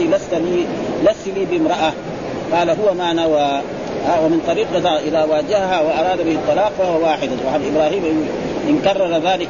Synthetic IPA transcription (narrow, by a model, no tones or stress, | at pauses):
ilast̪alilasiliːbɪmɾˤɑʔa | qɑːlaɦʊwːamaʕnawa | wamɪnt̪ˤɑɾiːq̪aʔɪðaːwaːd͡ʒahahawaʔɑɾˤɑːd̪abɪhɪt̪ˤːɨlɑːqfahuwawaːħɪd̪asˤɑħalʔɪbɾaːhiːmʔ | ʔɪnkɑrˤːɑɾˤɑðaːlɪk